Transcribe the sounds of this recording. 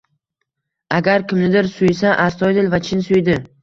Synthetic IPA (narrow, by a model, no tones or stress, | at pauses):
aɡʲaɾkʲʰɪmnɪd̪ɪɾsʊjsaʔast̪ʰɒjd̪ɪlvat͡ʃʰɪnsʊjd̪ɪ